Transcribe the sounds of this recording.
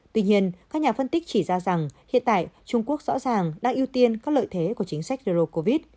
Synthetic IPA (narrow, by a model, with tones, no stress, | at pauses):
t̪wi˧ɲi˧ənkkaː˦˥k̚ɲaː˨˩fə˧nt̪ï˦˥k̟̚t͡ɕi˧˩zaː˧za˨˩ŋhḭ˧˨ənt̪a̰ː˧˨jt͡ɕʊ˧ŋ͡mku˦˥ək̚zɔ̰˧˥zaː˨˩ŋɗaː˧ŋʔi˧wt̪i˧ənkaː˦˥k̚lə̰ː˧˨jt̪ʰe˨˦ku˧˩ət͡ɕï˨˦ŋ̟sa˦˥k̚ze˧ɾo˧ko˧vi˦˥t̚